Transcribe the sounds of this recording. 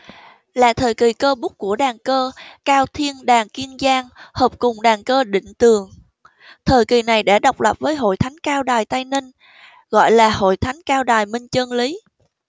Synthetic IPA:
laː˨˩t̪ʰəː˨˩jki˨˩kəː˧ɓʊ˦˥k͡p̚kːu˧˩əɗaː˨˩ŋkəː˧kaː˧wt̪ʰi˧ənɗaː˨˩ŋki˧ənzaː˧ŋhəː˨˩p̚kʊ˨˩ŋ͡mɗaː˨˩ŋkəː˧ɗḭ̈˧˨ŋ̟t̪ɨ˨˩əŋ | t̪ʰəː˨˩jki˨˩na˨˩jɗa̰ː˧˩ɗa˨˩wk͡p̚lə˨˩p̚vəː˨˦jɦo̰˧˨jt̪ʰa˨˦jŋ̟kaː˧wɗaː˨˩jt̪a˧jni˧ŋ | ɣɔ̰˧˨jlaː˨˩ho̰˧˨jt̪ʰa˨˦jŋ̟kaː˧wɗaː˨˩jmï˧ŋ̟t͡ɕəː˧nli˨˦

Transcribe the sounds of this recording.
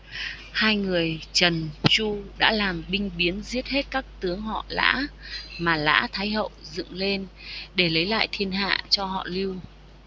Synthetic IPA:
haː˧jŋɨ˨˩əjt͡ɕə˨˩nt͡ɕu˧ɗa̰ː˧˥laː˨˩mɓï˧ŋ̟ɓi˨˦ənzi˦˥ət̚he˦˥t̚kaː˦˥k̚t̪ɨ˨˦əŋhɔ̰˧˨la̰ː˧˥maː˨˩la̰ː˧˥t̪ʰaː˨˦jɦə̰˧˨wzɨ̰˧˨ŋle˧nɗe˧˩lə˨˦jla̰ː˧˨jt̪ʰi˧ənɦa̰ː˧˨t͡ɕɔ˧hɔ̰˧˨li˧w

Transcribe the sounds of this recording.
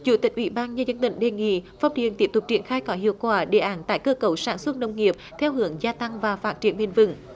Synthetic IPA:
t͡ɕṵ˧˩t̪ï˨˩k̟ʔwḭ˧˩˦ɓaː˧nɲə˧nzə˧nt̪ï˧˨ŋ̟ɗe˨˩nŋḭ˧˨fɔ˧˩wŋ͡mt̪ḭ˧˨ənt̪i˦˥əpt̪ʊ˨˩k͡p̚t͡ɕi˧˩ənxaː˧jkɔ˨˦hḭ˧˨əwkwaː˧˩ɗḛ˧˩ʔaː˨˦nt̪a̰ː˧˥˨jkəː˧kə˨˧˩wsaː˧˥nswə˦˥t̚nə˧wŋ͡mŋi˨˩əp̚t̪ʰɛ˧wɦɨ˨˦əŋzaː˧t̪a˧ŋvaː˨˩faː˦˥t̚t͡ɕi˧˩ənmi˧˩nvɨ̰˧˥ŋ

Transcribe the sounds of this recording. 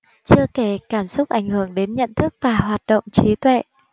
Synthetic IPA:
t͡ɕɨ˧əke˧˩kaː˧˩msʊ˦˥k͡p̚ʔa˧˩jŋ̟hɨ˧˩əŋɗe˨˦nɲə̰˧˨nt̪ʰɨ˦˥k̚vaː˨˩hwaː˨˩t̚ɗo̰˧˨wŋ͡mt͡ɕi˨˦t̪wḛ˧˨

